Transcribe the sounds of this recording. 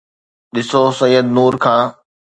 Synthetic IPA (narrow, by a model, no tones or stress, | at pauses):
ɗɪsosɐjəd̪̚nuːɾkʰãː